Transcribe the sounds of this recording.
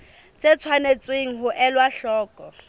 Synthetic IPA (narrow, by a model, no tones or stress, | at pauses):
t͡sʼet͡sʰwanet͡sʼweŋ̩ɦʊʔɛlwaɬɔːkʼɔ